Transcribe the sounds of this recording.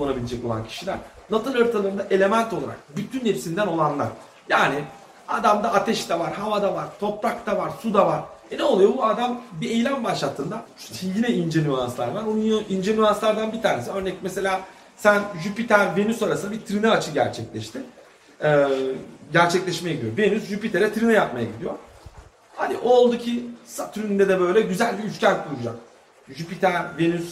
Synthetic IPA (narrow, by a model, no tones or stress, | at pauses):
oanabilʲed͡ʒɛco̞lˠa̰ncʰi̥ʃilʲæ̰ɾ̥nat̪ʰɯlˠøɾt̪ʰalˠaɾɯnd̪aʔe̞lʲe̞mænt̪ʰo̞lˠaɾa̰k̚byt̪ʰynhːepsind̪æno̞lˠanlˠa̰ɾ̥ | jaːnɪ | ad̪amd̪aat̪ʰɛʃt̪ɛvaɾhavad̪avaɾ̥t̪ʰo̞pɾakt̪ʰavaɾsud̪avaɾ̥ɛneolˠujobuad̪ambie̞jlʲænbaʃlˠat̪ʰːɯnd̪a | jinɛind͡ʒenyanslˠa̰ɾb̪aɾonuind͡ʒenyanslˠaɾd̪anbit̪ʰaːne̞siøɾnɛcmese̞lʲaː | sænʒypit̪ʰæɾve̞nysaɾasɯnabit̪ʰɾinɯat͡ʃʰɯɟæ̰ɾt͡ʃʰɛclʲɛʃt̪ʰɪ | ɛːɟæɾt͡ʃʰɛclʲɛʃmejɛɟid̪ijove̞nysʒypit̪ʰeɾɛt̪ʰɾinɯjap̚majaɟid̪ijo̞ | had̪iʔolˠd̪ucʰisat̪ʰyɾynynd̪ɛd̪ɛbø̞jlʲɛɟyzælʲbiyscæɾkʰulˠud͡ʒak̚ | ʒypit̪ʰæɾve̞nys